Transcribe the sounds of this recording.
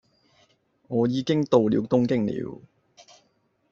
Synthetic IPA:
ŋɔː˨˧jiː˨˧kɪ˥ŋt̪o˨wlḭː˨˧wt̪ʊ˥ŋkɪ˥ŋlḭː˨˧˥w

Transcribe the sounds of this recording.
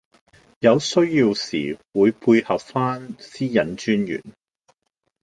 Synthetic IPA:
jɐ˨˧wsɵ˥ɥjiː˧wsḭː˨˩wuː˨˧jpʰuː˧jhɐ˨p̚faː˥nsiː˥jɐ˨˥nt͡ʃyː˥njy̰ː˨˩n

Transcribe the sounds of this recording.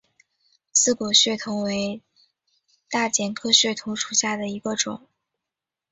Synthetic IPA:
sɹ̩˥˩kɔ˨˩ɕɥɛ˥˩t̪ʰʊ˧˥ŋwe˧˥ɪ | t̪a˥˩t͡ɕjɛ˨˩nkʰɤ˥ɕɥɛ˥˩t̪ʰʊ˧˥ŋʈ͡ʂʰu˨˩ɕja˥˩d̪ə˩i˧˥ɡə˧ʈ͡ʂʊ̰˨˩˦ŋ

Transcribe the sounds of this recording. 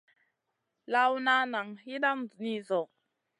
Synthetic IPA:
la˦wu˦na˦na˨ŋi˦da˦m̩˨ni˦zɔ˨

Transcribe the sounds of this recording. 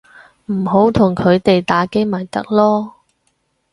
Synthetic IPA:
m̩˨˩ɦo˨˥wt̪ʰʊ˨˩ŋkʰɵ˨˧ɥt̪e˨jt̪aː˨˥ke˥jmɐ˨˩jt̪ɐ˥k̚lɔː˥

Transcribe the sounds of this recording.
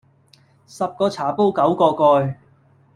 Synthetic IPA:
sɐ˨p̚kɔː˧t͡sʰaː˨˩po˥wkɐ˨˥wkɔː˧kɔː˧j

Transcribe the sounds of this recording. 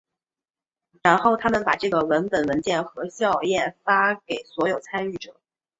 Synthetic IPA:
ɻa˧˥nxo˥˩ʊt̪ʰa˥mə˨npa̰˨˩ʈ͡ʂɤ˥˩ɡə˩wə˧˥npə˨˩nwə˧˥nt͡ɕjɛ˥˩nxɤ˧˥ɕjɑ˥˧ʊjɛ˥˩nfa˥ke˨˩ɪswɔ˧˥jo˨˩ʊt͡sʰa˥ny˥˩ʈ͡ʂɤ̰˨˩˦

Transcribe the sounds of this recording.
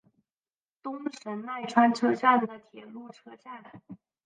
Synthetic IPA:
t̪ʊ˥ŋʂə˧˥nna˥˩ɪʈ͡ʂʰwa˥nʈ͡ʂʰɤ˥ɕja˥˩n˨˩d̪ə˩t̪ʰjɛ˨˩lu˥˩ʈ͡ʂʰɤ˥ɕja˥˩la˨˩˦ɪ

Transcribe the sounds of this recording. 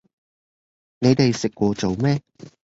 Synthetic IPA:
ne˨˧jt̪e˨jsɪ˨kʷːɔː˧t͡so˨wmɛː˥

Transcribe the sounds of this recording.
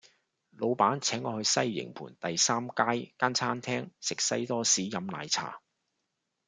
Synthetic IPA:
lo˨˧wpaː˨˥nt͡sʰɛː˨˥ŋɔː˧hɵ˧ɥsɐ˥jːɪ̰˨˩ŋpʰṵː˨˩nt̪ɐ˨jsaː˥mkaː˥jkaː˥nt͡sʰaː˥nt̪ʰɛː˥ŋsɪ˨k̚sɐ˥jt̪ɔː˥siː˨˥jɐ˨mla̰ː˨˧jt͡sʰa̰ː˨˩

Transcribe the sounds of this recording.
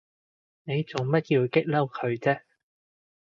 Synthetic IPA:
ne˨˧jt͡sʊ˨ŋmɐ˥t̚kiː˧wkɪ˥k̚lɐ˥wkʰɵ˨˧ɥt͡sɛː˥

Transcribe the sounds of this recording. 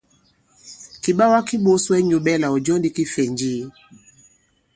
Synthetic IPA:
ki˨ɓa˦wa˦ki˦ɓo˦swɛ˦ɲu˨ɓɛ˦la˨ɔ˨d͡ʒɔ˦ndi˦ki˦fɛ˨ɲd͡ʒi˦

